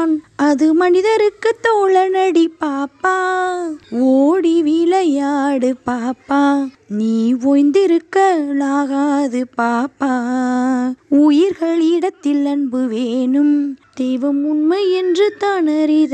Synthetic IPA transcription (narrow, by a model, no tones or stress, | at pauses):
nɐðɯmɐnɪðɐɾɯkːɯt̪ːɔːɭɐnɐɽipaːpːaː | oːɽiʋilɐjaːɽɯpaːpːaː | niːʋoːjnd̪ɪɾɯkːɐlaːɣaːðɯpaːpːaː | ʊjɪɾɣɐɭɪɽɐt̪ːɪlɐnbɯʋeːnɯmd̪̥ɛjʋɐmʊnmɐɛndrɯt̪aːnɐɾɪð